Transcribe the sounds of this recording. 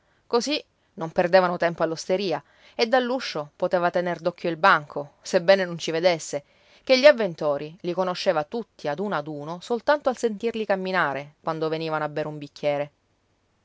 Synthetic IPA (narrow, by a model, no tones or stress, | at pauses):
kozi | nomperd̪eːvanot̪ɛmpoalːost̪eɾiːa | ed̪ːalːuʃːopot̪eːvat̪enerd̪ɔkʰːjoilbaŋkʰosebːɛːnenont͡ʃived̪esːe | k̟eʎːiavːent̪oːɾilikonoʃːeːvat̪ut̪ʰːiad̪uːnad̪uːnosolt̪ant̪oalsent̪irlikamːinaːɾekwand̪oveniːvanoabːeːɾeumbikʰʲːjɛːɾe